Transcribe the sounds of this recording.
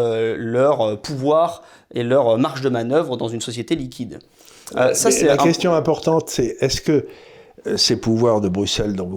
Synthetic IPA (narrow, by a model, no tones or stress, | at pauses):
ølœʁpʰuvwaːʁ | elœʁmaʁʃd̪əmanœvʁəd̪ɑ̃zynsɔsjet̪elikʲid̪ | øsasɛlakʲɛst̪jɔ̃ɛ̃pɔʁt̪ɑ̃t̪sɛɛskə | sepuvwaʁd̪əbʁysɛld̪ɔ̃v